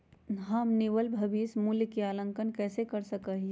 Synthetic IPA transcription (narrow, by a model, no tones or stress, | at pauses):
ɦɐmnɪʋəlbʱɐbiːsmuljkiaːlə̃ŋkənkɛːsekɐɾsɐkaɦi